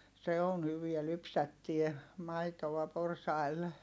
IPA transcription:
se on hyʋiæ lypsætːie mɑitoʋ̆ɑ porsɑil

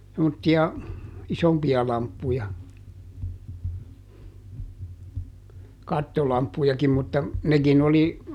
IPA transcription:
semːotːiɑ isompiɑ lɑmpːujɑ kɑtːolɑmpːujɑkim mutːɑ nekin oli

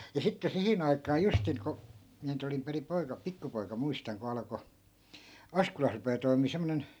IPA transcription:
jɑ sitːe sihin ɑikɑː justiŋ ko miæ nyt olim perim̆ poikɑ pikːupoi̯kɑ muistɑŋ ko ɑlɑ̆ko ɑskolɑs rupeː toimiː semːonen

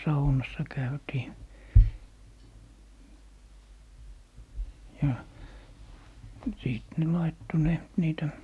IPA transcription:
sɑunɑsːɑ kæytiː jɑ siˑt ne lɑitːo ne niːtæ

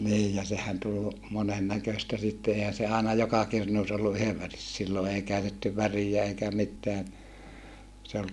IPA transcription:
niːj jɑ sehæn tul monen nækøstæ sitːe eˑihæn̞ se ɑˑenɑ jokɑ kirnuːs olːu yheʋ ʋæris silːo ei kæytetːy ʋærijæ eikæ mitːeæn se ol

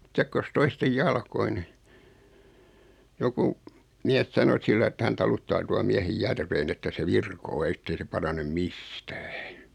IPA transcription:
sekːos toistej jɑlkoi ni joku miæs sɑno silːɑĭ etːæ hæn tɑlutːɑː tuɑ miæhej jærʋeːn etːæ se ʋirkoː etːei se pɑrɑnem mistæ̥ː

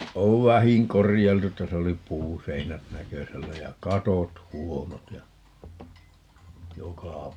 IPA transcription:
oʋ ʋæhiŋ korijɑiltu tæs oli puːseinæt nækøsælːæ jɑ kɑtot huonot jɑ jokɑˑ

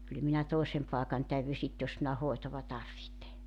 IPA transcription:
kyl minæ toˑesem pɑˑekɑn tæyʋy sit jos minæ hoetoʋɑ tɑrʋihte

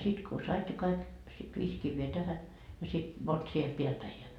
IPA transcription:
sit ko sɑit ne kɑik sit ʋiːs kiʋːeː tæhæ jɑ sit mont siel piæl pæi jɑ

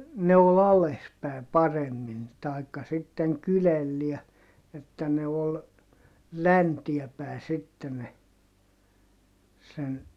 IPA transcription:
ne ol ɑles pæˑi̯ pɑremːin tɑi̯kːɑ sitːeŋ kylelːiæ etːæ ne ol læntiɛ pæˑe sitːe ne sen

